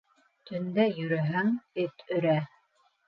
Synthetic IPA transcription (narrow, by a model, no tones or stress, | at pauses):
t̪ɵ̆nd̪æjɵ̆ɾɘɦæŋɘt̪ɵ̆ɾæ